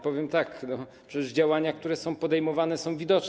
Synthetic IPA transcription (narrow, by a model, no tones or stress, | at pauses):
pɔvʲjɛmt̪aknɔpʂɛɛzd͡ʑawaɲakt̪uɾɛsɔ̃w̃pɔd̪ɛjmɔvanɛsɔ̃w̃vʲid̪ɔt͡ʂ